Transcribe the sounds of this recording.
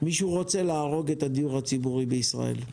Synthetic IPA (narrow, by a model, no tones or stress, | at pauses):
miʃuʁo̞t͡se̞laːʁo̞ɡet̪ad̪ijuʁhat͡sibuʁibeisʁa̰ḛl